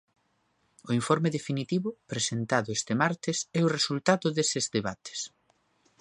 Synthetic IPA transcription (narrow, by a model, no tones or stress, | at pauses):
ʊiɱfoɾmeðefinit̪iβʊpɾesent̪aðʊest̪emaɾt̪ɪsɛʊresult̪aðʊðesɪzðeβat̪e̥s